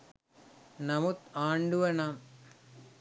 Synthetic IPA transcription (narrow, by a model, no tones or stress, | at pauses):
nɐmut̪aːɳɖuʋɐnam